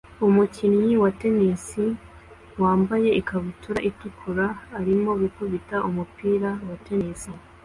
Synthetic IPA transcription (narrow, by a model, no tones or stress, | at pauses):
umucinjiwate̞nisi | waːmbaje̞ʔikaβutuɾaʔitikʰuɾaːɾimo̞βukuβitaʔumupiːɾawate̞nisi